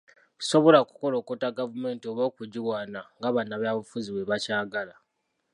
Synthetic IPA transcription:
so̞βo̞laku̥ko̞lo̞ːkotaɡavume̞ːntio̞βoːkuɟiwaːnaŋɡaβanːaβaːβufuziweβacaːɡala

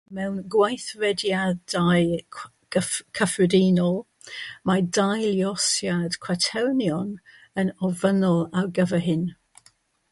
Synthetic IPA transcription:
mɛwnɡwajθɹɛdjadaj | kʰəfɹədiːnɔlˠ | madajljɔsjad̥kʰwatʰɛwnjɔn | ənɔvənɔlˠawɡəvəɦɪn

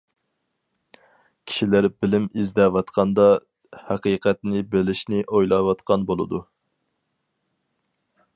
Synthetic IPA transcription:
kʲʰi̥ʃilæɾbɪlɪmizd̪ɛwɑt̪qʰɑnd̪ɑ | hæqiːqɛt̪̚nɪbelɪʃnɪʔojlˠɑwɑt̪qɑnbolˠɨ̰d̪u

